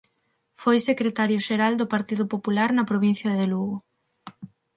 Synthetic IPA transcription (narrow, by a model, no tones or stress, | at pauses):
fojsekɾet̪aɾjʊʃeɾald̪ʊpaɾt̪iðʊpopulaɾnɐpɾoβin̟θjɐðeluɣo